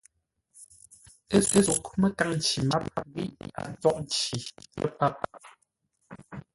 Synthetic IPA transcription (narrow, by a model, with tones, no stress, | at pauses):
e˦e˦zu˨ʔku˦mə˦ka˦ŋn̩˨t͡ʃi˨ma˦p̚a˦p̚ɣi˦˨ʔa̰˨n˦tɔ˦˨ʔn̩˦t͡ʃi˨tə̰˦pa˦p̚